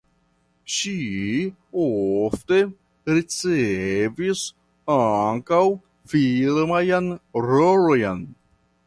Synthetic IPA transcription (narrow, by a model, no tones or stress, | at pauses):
ʃi | ofte̞ | ɾit͡sevis | aŋkaw | filmajanɾolojn